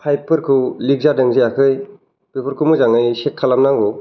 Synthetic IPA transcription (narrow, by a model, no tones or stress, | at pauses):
pʰajpʰɯɾkʰɯlik̚zadɯŋziakʰɯj | b̥ebɯɾkʰumɯzaŋɯjsekʰːalamnaŋɡɔ